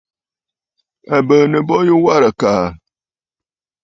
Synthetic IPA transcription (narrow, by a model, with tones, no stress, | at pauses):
a˨bə˨nɨ˨bɔ˦ju˦wa˦ɾə˨kaː˨